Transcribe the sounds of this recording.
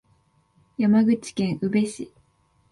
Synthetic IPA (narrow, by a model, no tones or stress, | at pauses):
jamaɡɯ̟t͡ɕi̥kẽ̞ɰ̃ʔɯ̟be̞ɕi